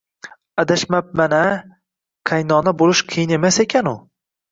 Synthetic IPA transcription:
ad̪aʃmap̚mana | qʰajnɒnabolˠɪʃqʰɨjɪne̞mase̞kʲʰanʊ

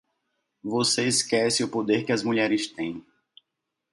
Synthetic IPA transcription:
voseiskɛsɪʊpod̪eɾkɪɐzmuʎɛɾɪst̪ẽj̃

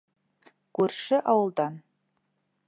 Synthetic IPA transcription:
kʉɾʃɘʔɑwɤ̆lˠd̪ɑn

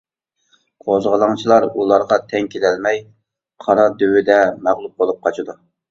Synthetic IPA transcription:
qʰozʁəlˠɑŋt͡ʃʰilˠɑɾulˠɑɾʁɑt̪ʰɛŋkʲʰed̪ɛlmɛj | qʰɑɾɑd̪øwɪd̪ɛmæʁlˠup̚bolˠup̚qʰɑt͡ʃʰid̪u

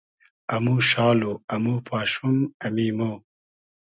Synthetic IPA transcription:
ɐmuʃaːloɐmuːpʰaːʃumɐmiːmo

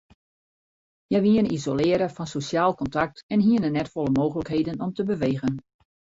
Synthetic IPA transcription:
jɛjʋiənizolɪːəɾəfɔnsosjaːlˠkɔntak̚tɛnɦiənənɛtfɔlˠəmoːɣələkɦeːdənɔmtəbəʋeːɣən

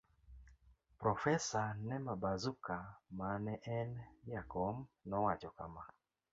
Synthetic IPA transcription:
pɾɔfɛsanɛmabazukamanɛʔɛnjakɔmnɔwat͡ʃɔkama

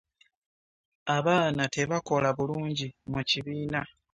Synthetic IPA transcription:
aβaːnate̞βako̞laβuluːɲɟimuciβiːna

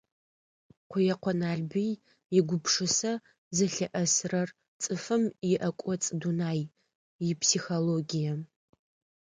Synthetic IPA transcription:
qʷʊjɛqʷʰɔnaːɮbij | jɪɡʷʊpʂɨsɐ | zɐɬɐʔɐsrɐr | t͡sʼɨfɨmjɪʔɐkʷʼɔt͡sʼɨdunaːj | jɪpʰsixoloɡijɐ

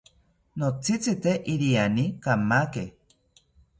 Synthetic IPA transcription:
not͡sit͡sit̪eʔiɾianikamake

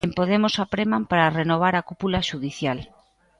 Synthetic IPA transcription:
empoðemosapɾemampaɾarenoβ̞aɾakupulaʃuðiθjal

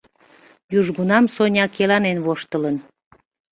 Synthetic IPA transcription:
juʒɣunɑmsonʲɑkelɑnenβoʃt̪ələn

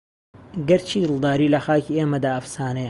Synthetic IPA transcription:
ɡɐɾt͡ʃʰiːd̪ɨlˠd̪aːɾiːlɐxaːkiːeːmɐd̪aːɐfsaːne

